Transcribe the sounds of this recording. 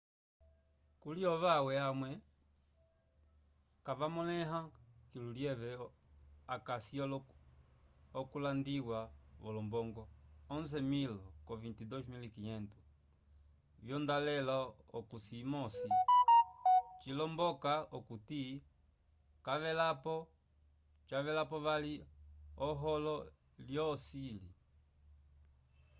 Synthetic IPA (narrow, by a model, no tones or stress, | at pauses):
kuliɔβawɛamwɛ | kavamɔlɛɦakiluljɛvɛ | akasi | ɔkulandiwaʋɔlɔmbɔŋɡɔɔnzɛmilkɔvintidɔsmilikiɲɛntu | vjɔndalɛlaɔkusimɔsi | t͡ʃilɔmbɔkaɔkuti | kavɛlapɔ | t͡ʃavɛlapɔβaliɔɦɔlɔ | ljɔsili